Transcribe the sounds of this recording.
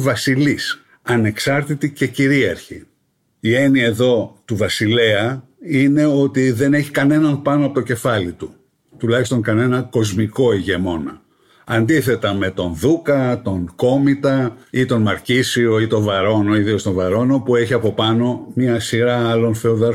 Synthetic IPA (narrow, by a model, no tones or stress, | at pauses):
vɐsilis | ɐne̞ksɐɾt̪it̪ice̞ciɾiɐɾçḭ | ie̞niɐeðo̞t̪uvɐsile̞ɐ | ine̞o̞t̪iðe̞ne̞çikɐne̞nɐnpɐnoɐpo̞t̪o̞ce̞fɐlit̪u | t̪ulɐçist̪o̞ŋkɐne̞nɐko̞zmiko̞iʝe̞mo̞nɐ̰ | ɐnd̪iθe̞t̪ɐme̞t̪o̞nðukɐt̪o̞ŋko̞mit̪ɐit̪o̞nmɐɾcisio̞it̪o̞vɐɾo̞noiðiost̪o̞nvɐɾo̞no̞pue̞çiɐpo̞pɐno̞mɲɐsiɾɐɐlo̞nθe̞oðɐɾf